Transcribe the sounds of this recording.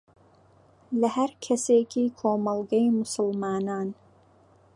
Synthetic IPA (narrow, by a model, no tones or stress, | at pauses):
lɐhɐɾkʰɐseːkʰiːkʰoːmɐlˠɡɐjmʊsɨlmaːnaːn